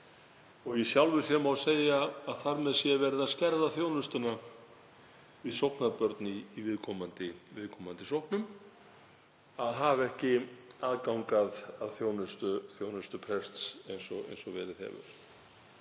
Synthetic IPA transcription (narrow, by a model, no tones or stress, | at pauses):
ɔɣjɛsjawlvʏ̥sjɛmawseːjaːðθaɾmɛðsjɛvɛɾɪðascɛɾðaθjoːwnʏst̪ʏna | vɪðsowhknapœɾt̪niːvɪðkʰɔmant̪ɪvɪðkʰɔːmant̪ɪsowhknʏm | aðɦavɛhcɪaːðkawŋkaðaðθjownʏst̪ʏθjoːwnʏst̪ʏpʰɾɛst̪sejnsɔ̰ḛjnsɔvɛ̰ːɾɪðhɛ̰ːvʏ̰ɾ̥